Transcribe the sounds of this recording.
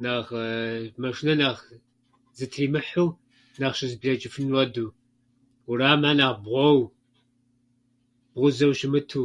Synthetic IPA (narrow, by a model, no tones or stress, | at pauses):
naːʁmɐʂnɐnaːʁ | zɨtʰiːmɨħuw | naːχʃɪzbɮɐt͡ʃʼɪfɨnwɐduː | uɾaːmaːnaːʁbʁʷɔw | b̥ʁʷʊzɐwʃɪmɨtʰuː